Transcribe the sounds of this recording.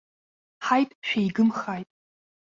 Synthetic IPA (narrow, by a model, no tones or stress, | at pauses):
ħajtʼʃᶣejɡɨmχajtʼ